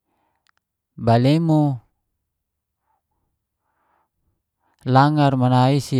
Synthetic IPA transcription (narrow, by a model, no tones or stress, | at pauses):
balemo | laŋarmanaisi